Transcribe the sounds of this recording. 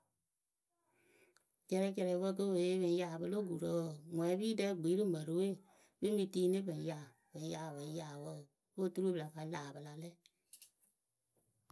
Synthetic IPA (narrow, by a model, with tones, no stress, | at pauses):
kɛ˧ɾɛ˧˦kɛ˧ɾɛ˨i˨˦wə˦k̬ə˦we˨e˦bẽ˨˦jaː˨bə˧lo˦ɡu˨ɾə˨˦˨ŋwɛ̃˨˦biː˦dɛ˧˦ɡ͡bi˨˦ɾɨ˦mə˨ɾo˨˦we˦˨ | be˦mĩ˧tiː˦nɨ̃˦bə̃˨˦ja˨ | bɛ̃˨˦jaː˨βə˨˦jaː˨wə˦˨ | wə˦tu˦u˦bla˨ka˧˦laː˨bə˧la˧lɛ˦˨